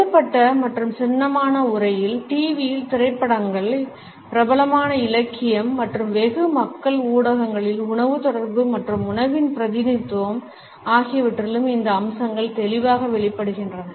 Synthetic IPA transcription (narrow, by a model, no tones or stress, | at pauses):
ɐpːɐʈːɐmɐʈrɯmsɛnːɐmaːnɐʊɾɐjɪlʈiːʋijɪlt̪ɪrɐɪpːɐɽɐŋɡɐɭ | pɪɾɐbɐlɐmaːnɐɪlɐkːɪjɐmːɐʈrɯmʋɛɣɯmɐkːɐɭuːɽɐɣɐŋɡɐɭɪlʊɳɐʋɯt̪ɔɽɐɾbɯmɐʈrɯmʊɳɐʋɪnpɪɾɐðɪnɪt̪ːɯʋɐm | aːɣɪjɐʋɪʈrɐlɯmɪnd̪ɐːmsɐŋɡɐɭt̪ɛlɪʋaːɣɐʋɛɭɪpːɐɽɯɣɪndrɐnɐ